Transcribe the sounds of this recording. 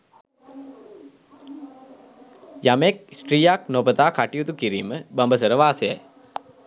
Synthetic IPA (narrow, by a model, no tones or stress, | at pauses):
jameksʈɾiːjaknopət̪aːkaʈijut̪ukiɾiːməbəmbəs̬əɾəʋaːsejɛ̰j